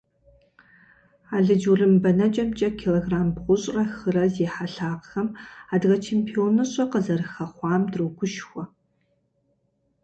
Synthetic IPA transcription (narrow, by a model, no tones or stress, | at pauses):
aːɮɨd͡ʒurɨmbɐnɐt͡ʃʼɐmt͡ʃʼɐkʲʰiloɡraːmbʁʷʊɕʼrɐxɨrɐzeːħaɬaːqxɐmaːdʁɐt͡ʃʰeːmpʰionɨɕʼɐqəzɐrɨxɐχʷɑːmdroɡʷʊʃxʷɔ